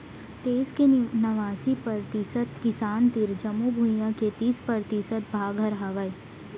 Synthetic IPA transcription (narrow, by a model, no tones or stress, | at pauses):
t̪eːzkenɐʋaːsipəɾt̪ɪsət̪kɪsaːnt̪ɪɾd͡ʒəmubʱujãket̪iːspəɾt̪ɪsət̪̚bʱaːɡʱɐɾɦaːʋəi